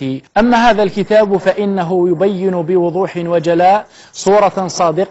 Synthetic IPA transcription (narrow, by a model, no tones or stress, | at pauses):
iʔamːaɦaːðalkɪt̪aːbfaʔɪnːaɦʊjʊbajːɪnʊbɪwʊðˤuːħɪnwad͡ʒalaːʔ | sˤuːɾˤɑsˤɑːd̪ɪq